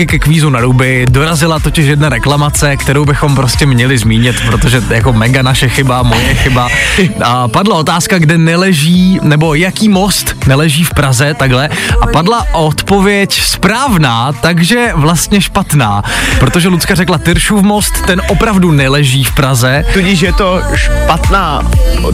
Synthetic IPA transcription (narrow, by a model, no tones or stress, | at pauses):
ɪkɛkviːzunaɾubɪdo̞ɾazɪlat̪o̞cɪʃ̬jɛdnaɾɛklamat͡sɛkt̪ɛɾo̞wbɪxo̞mpɾoscɛmɲɛlɪzmiːɲɪt̪pɾot̪o̞ʒɛjako̞mɛɡanaʃɛxɪbamo̞jɛxɪbaapadlao̞t̪aːskaɡdɛnɛlɛʒiːnɛbo̞jakiːmo̞st̪nɛlɛʒiːfpɾazɛt̪aɡɦlɛʔapadlaʔot̪po̞vjɛcspɾaːvnaːt̪aɡʒɛvlast̪ɲɛʃpat̪naːpɾo̞t̪o̞ʒɛlut͡skarɛklat̪ɪɾʃufmo̞st̪ːɛnʔopɾavdunɛlɛʒiːfpɾazɛt̪ucɪʃjɛt̪oʃpat̪naː